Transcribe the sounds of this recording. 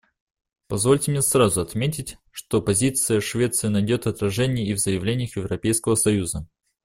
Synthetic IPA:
pɐzvo̞lʲtʲɪmnʲesrazʊɐt̪mʲetʲɪtʲʂt̪opɐzʲit̪sɨjəʂvʲe̞t̪sɨənɐjdʲo̞t̪ɐt̪ɾɐʐɛnʲɪjəivzəjɪvlʲenʲɪjəxjɪvɾɐpʲejskəvəsɐjuzə

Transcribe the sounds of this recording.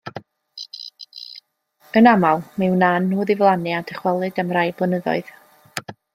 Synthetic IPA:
ənamalˠmɪwnanːoːðɪvlˠanɨadəχwɛlˠɨdəmrajblˠənəðɔ̰ɨð̥

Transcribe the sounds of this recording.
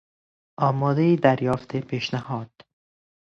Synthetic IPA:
ʔɒːmɒːd̪eiːd̪æɾjɒːft̪ʰepʰiːʃnæhɒːd̪̥

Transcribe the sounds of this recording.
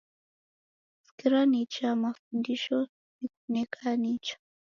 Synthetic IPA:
si̥kiɾanit͡ʃamafundiʃo | ik̚unekʰanit͡ʃḁ

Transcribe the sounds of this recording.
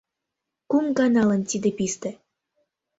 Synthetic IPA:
kumɡɑnɑlənt̪id̪epist̪ĕ

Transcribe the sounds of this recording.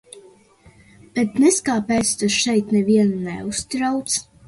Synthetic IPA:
b̥ɛt̪nɛskaːpɛːt̪st̪asʃɛjt̪nɛviɛnunɛ̰ust̪ɾawt̪s

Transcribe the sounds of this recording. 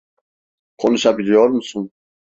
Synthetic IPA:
kʰɔnuʃabilijɔɾmsun

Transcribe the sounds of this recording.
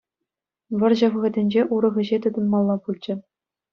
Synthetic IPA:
ʋɤ̆rʑɤ̆ʋɣɘ̆dʲɘ̆nʲd͡ʑeʔuɾɤ̆ʁɯ̆ʑet̪ɤ̆d̪ɤ̆nmɑlˠːɑpulʲt͡ɕɘ̆

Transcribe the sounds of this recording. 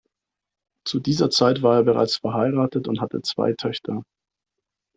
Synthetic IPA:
t͡sudiːzɐt͡saɪtv̥aːɐeːɐbəʁa̰ɪt͡sfɛɐɦaɪʁaːtətʊnthatʰə̰t͡sv̥a̰ɪtʰœçtʰɐ

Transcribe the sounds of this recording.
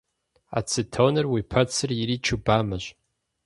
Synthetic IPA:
a̰t͡sʰɨtʰonɨrwipʰɐt͡sʰɨriɾit͡ʃʰubamaʒʷ

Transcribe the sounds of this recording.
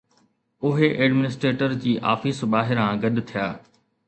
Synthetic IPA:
ʊɦeʔeːɖmɪnɪsʈɾeːʈəɾd͡ʑiːʔa̰ːfisbaːɦɪɾɦãːɡɐd̪t̪ʰijaː

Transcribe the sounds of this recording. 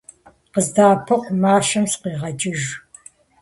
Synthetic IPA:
qəzdaːpʰɐqʷmaːʃɐmsqiːʁɐd͡ʒʼɪʒ

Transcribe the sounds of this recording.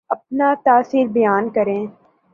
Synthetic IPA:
ɐp̚nat̪aːsiːɾbɐjaːnkɐɾẽː

